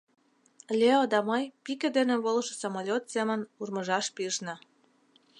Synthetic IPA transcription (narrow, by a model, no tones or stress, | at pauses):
lʲeod̪ɑməjpikĕd̪eneβolʃĕsomolʲot̪semə̆nurməʒɑʃpiəʃnɑ